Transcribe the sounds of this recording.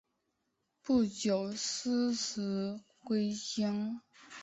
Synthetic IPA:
pu˥˩t͡ɕjo˨˩ʊs̩˥s̩˧˥ | kwe˥ɪɕi˥ŋ

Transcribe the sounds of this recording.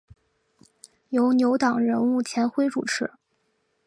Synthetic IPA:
jo˧˥ʊnjo˧˥ʊt̪ɑ˨˩ŋɻə˧˥nu˥˩t͡ɕʰjɛ˧˥nxwe˥ɪʈ͡ʂu˨˩ʈ͡ʂʰɻ̩˧˥˦

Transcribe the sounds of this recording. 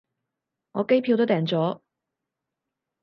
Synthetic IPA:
ŋɔː˨˧˥ke˥jpʰi˧wt̪o˥wt̪ɛː˨˩ŋt͡sɔː˨˥

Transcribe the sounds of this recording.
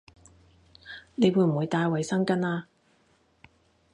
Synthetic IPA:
ne˨˧jwuː˨˧jm̩˨˩wu˨˧jt̪aː˧jwɐ˨jsɐ˥ŋkɐ˥naː˧

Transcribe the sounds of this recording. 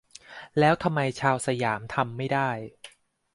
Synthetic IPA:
lɛː˦˥wt̪ʰa˧mːa˧jt͡ɕʰaː˧wsa˧jaː˩˦mt̪ʰa˧mːa˥˩jda˥˩j

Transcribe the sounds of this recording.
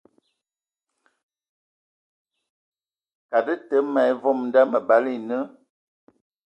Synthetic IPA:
ka˨də˦tə˦mɛ˨˦vɔ˦˨mn˦da˦mə˨ba˨˦li˦˨nə˦

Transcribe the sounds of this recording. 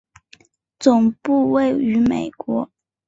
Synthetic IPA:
t͡sʊ˨˩ŋpu˥˧we˥˩ɪy˧˥me˨˩ɪkwɔ˧˥

